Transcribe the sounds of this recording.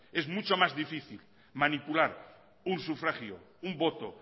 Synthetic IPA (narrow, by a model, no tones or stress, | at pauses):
ezmut͡ʃomazðifiθil | manipulaɾ | unsufɾaxjo̰ | umbot̪o